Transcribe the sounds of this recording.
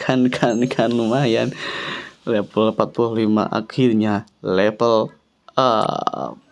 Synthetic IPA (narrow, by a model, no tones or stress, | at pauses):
kʰankʰankʰanumajan | lɛpəlpat̪̚puluhlima̰ʔa̰kʰirɲalɛpəl | ə̰